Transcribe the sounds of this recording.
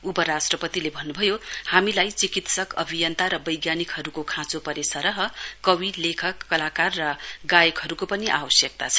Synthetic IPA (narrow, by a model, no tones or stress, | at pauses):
upʌɾasʈrʌpʌt̪ilebʱʌnːubʱʌjohamilajt͡sikit̪sʌkʌbʱijʌnt̪aɾʌbʌjɡjanikɦʌɾukokʰãt͡sopʌɾesʌɾʌɦʌkʌwilekʰʌkːʌlakarːʌɡajʌkɦʌɾukopʌniʔa̰wʌsjʌk̚t̪at͡sʰʌ̥